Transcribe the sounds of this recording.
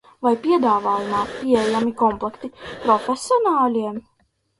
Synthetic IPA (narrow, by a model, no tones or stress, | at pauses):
vajpʲiɛd̪aːvaːjumaːpʲiejamikɔmplˠɛkt̪ipɾɔfʲesiɔnaːlʲiɛm